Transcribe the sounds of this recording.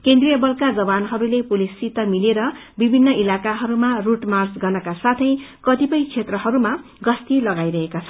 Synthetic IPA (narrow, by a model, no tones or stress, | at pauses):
kend̪rijʌbʌlkad͡zʌbanɦʌɾulepulisit̪ʌmileɾʌ | bibʱinːʌilakaɦʌɾumaruʈmart͡sɡʌrnʌkasat̪ʰʌjkʌt̪ipʌjt͡sʰet̪rʌɦʌɾuma | ɡʌst̪ilʌɡajɾʌɦekat͡sʰʌn